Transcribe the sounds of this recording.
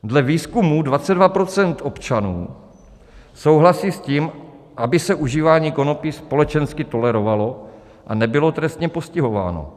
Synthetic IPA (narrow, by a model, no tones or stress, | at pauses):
dlɛviːskumudvat͡sɛdvapɾo̞t͡sɛnt̪o̞pt͡ʃanṵː | so̞wɦlasiːsciːm | ʔabɪsɛʔuʒiːvaːɲiːko̞nopɪspo̞lɛt͡ʃɛnskɪt̪o̞lɛɾo̞valo | ʔanɛbɪlo̞t̪ɾɛst̪ɲɛpo̞scɪɦo̞va̰ːno̞̰